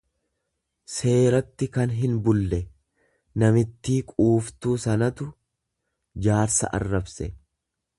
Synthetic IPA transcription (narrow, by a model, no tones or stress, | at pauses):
se̞ːɾɐt̪ːɪkɐnɦɪnbʊlːɛ | nɐmɪt̪ːiːkʼuːft̪uːsɐnɐt̪ʊ | d͡ʒaːɾsɐ̰ʔɐ̰rːɐbsɛ